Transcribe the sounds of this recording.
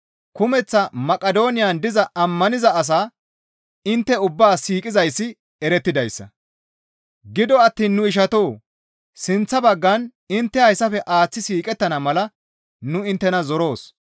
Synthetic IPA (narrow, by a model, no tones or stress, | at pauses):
kʊmɛt͡sːɐmɐkʼɐd̪o̞ːnɪjand̪ɪzɐʔɐmːɐnɪzɐɐs̬aː | ɪnt̪ːɛʊbːaːsiːkʼɪzɐjsːɪ | ɛɾɛt̪ːɪd̪ɐjsːɐ̰ | ɡɪd̪ɔɐt̪ːiːnːʊɪʃ̬ɐt̪o̞ː | sɪnt͡sːɐbɐɡːɐn | ɪnt̪ːɛɐjsːɐfɛʔaːt͡sːɪsiːkʼɛt̪ːɐnɐmɐlɐ | nʊɪnt̪ːɛnɐzɔɾo̞ːs